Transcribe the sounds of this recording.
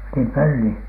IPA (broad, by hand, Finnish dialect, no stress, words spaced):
nim pølːi